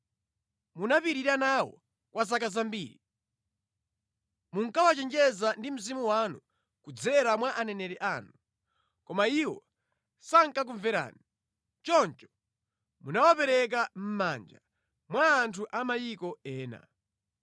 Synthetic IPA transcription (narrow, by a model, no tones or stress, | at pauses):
munapiɾiɾanawɔ̰ | kwʔaz̬akazambiːɾi | muŋkawat͡ʃɛnd͡ʒɛzandim̩zimuwanu | kud͡zɛɾamwaʔanɛnɛɾɛʔaːnu | kɔmaiwɔ | saŋ̩kak̬uɱvɛɾa̰ːni | t͡ʃɔnt͡ʃɔ̥ | munawapɛɾɛk̬am̩mand͡ʒa | mwaːntʰuʔamajikɔɛːna̰